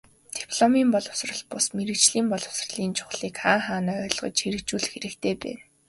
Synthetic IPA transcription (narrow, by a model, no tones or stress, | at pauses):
t̪i̥pʰɮɔmiːmpɔɮɞ̆wsrə̆ɮ̚pʊsmeɾɘ̆kt͡ɕɮiːmpɔɮɞ̆w̥srə̆ɮiːnt͡ɕʰʊ̥χɮiːkχaːŋχaːnaːœːɮ̆ʁɞ̰̆t͡ɕxeɾɘ̆kt͡ɕuːɮxeɾɘ̆kt̪ʰeːpæ̰ːn